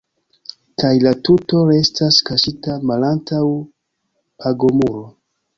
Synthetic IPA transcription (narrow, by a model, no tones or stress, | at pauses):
kajlatuto̞ɾe̞staskaʃitamalantʰaw | pʰaɡo̞muɾo